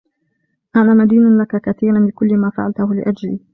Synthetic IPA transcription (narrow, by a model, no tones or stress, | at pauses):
ʔanaːmad̪iːnanlakakaθiːɾanlɪkʊlːɪmaːfa̰ʕalt̪ʊhʊlɪ̰ʔad͡ʒliː